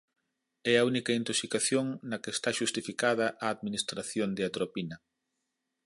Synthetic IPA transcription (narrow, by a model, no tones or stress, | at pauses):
ɛɐunikɐint̪oksikaθjoŋnɐkeːst̪aʃust̪ifikaðɐʔaːðminist̪ɾaθjond̪eat̪ɾopinɐ